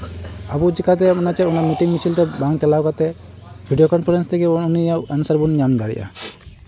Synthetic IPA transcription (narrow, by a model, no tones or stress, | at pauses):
abud͡ʒikat̪̬ɛunat͡ʃɛunamiʈiŋmit͡ʃʰilʈɛbaŋ̚t͡ʃalawkat̪ɛ | bʱiɖijokɔnpʰɾɛnst̪ʰɛkɛunijaənusaɾbuniɲamd̪aɽḭjʔa̰